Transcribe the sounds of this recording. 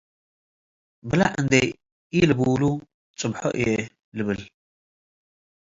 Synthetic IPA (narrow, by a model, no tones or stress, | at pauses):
bɨlaʔɨnd̪ɐj | ilɨbuwlu | t͡sʼɨbħo̰ʔɨjɛ | lɨβɨl